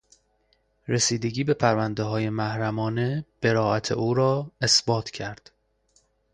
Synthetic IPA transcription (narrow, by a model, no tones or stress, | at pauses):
ɾesiːd̪e̞ɟiːbe̞pʰæɾvænd̪eɦɒːje̞mæhɾæmɒːne̞b̥e̞ɾɒːæt̪ʰḛʔuːɾɒːe̞sbɒːt̪ʰcʰæɾd̪̥